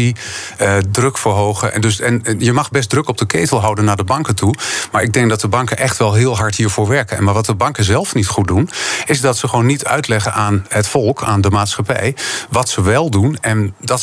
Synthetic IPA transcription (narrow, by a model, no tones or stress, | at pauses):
iədrɵkfəɹɦowχə̰dɵsɛnjəmɑχbɛs̬t̚drɵkɔp̚dəkejtəlˠɦɑwdənːaːɹdəbɑŋkətumaːɹɪɡ̚dɛŋɡ̚dɑt̚dəbɑŋkənʔɛχtʋɛlˠɦɪːlˠɦɑɹtɦiːɹvʊːɹʋɛɹkənɛ̰nmaːɹʋɑtdəbɑŋkəzɛlˠfnitχut̚dunɪzdɑtsəχəʋonːitʰœ̰ɥtlɛχənʔaːnɦətfɔlˠkʰaːndəmaːtsχɑpɛ̰jʋɑtsəʋɛlˠdunɛndɑt